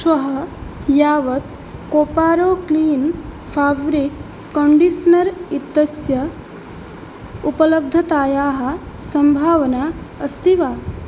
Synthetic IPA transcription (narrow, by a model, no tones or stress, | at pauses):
sʋɐɦɐjaːʋɐt̪ | koːpaːɾoːkliːn | pʰaːbɾikː | oɳɖisnɐɾit̪ːɐsjɐ | upɐlɐb̚d̪ʱɐt̪aːjaːɦɐ̆ | sɐmbʱaːʋɐnaːɐst̪iʋaː